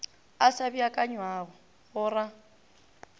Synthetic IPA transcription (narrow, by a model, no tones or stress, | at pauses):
asabiakʼaɲwaːɣɔ | ɣʊra